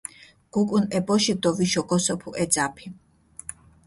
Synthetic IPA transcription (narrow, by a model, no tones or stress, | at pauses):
ɡ̥ukʼunɛbɔʃid̪ɔviʃɔɡɔsɔpʰuʔɛd̪zapʰi